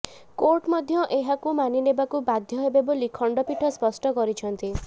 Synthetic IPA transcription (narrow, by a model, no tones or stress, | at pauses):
koɾʈmɔd̪ʱjɔʔeɦakumaninebakubad̪ʱjɔɦebebɔlikʰɔɳɖɔpiʈʰɔspɔsʈɔkɔɾit͡ʃʰɔnt̪i